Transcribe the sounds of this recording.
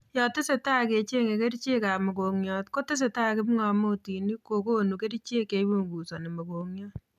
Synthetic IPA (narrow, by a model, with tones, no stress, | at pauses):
jɔ˨tɪ˦se˨ta˦ke˨t͡ʃe˦ŋe˨ke˦ɾi˦t͡ʃe˦ka˨mɔ˨ko˨ŋɲjɔ˨tko˦tɪ˦s̬e˨ta˦kɪ˦pŋa˧mo˦ti˨ni˦ko˨ko˦nu˨ke˦ɾi˦t͡ʃe˦ke˨˦bu˦ŋɡu˨sɔ˨ne˨mɔ˨ko˨ŋɲjɔ˦